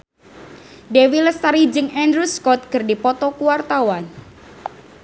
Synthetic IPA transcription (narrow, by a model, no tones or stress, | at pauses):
dewiləst̪aɾid͡ʒɨŋɛndɾuskɔt̪̚kərdipɔt̪ɔkuwart̪awan